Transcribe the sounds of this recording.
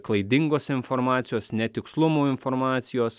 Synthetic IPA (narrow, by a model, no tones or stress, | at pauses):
klˠɐɪd̪ʲɪŋɡoːsɪnfɔɾmɑːt̪sʲɪjoːsnʲɛt̪ʲɪkslˠʊmuːɪnfɔɾmɑːt̪sʲɪjoːs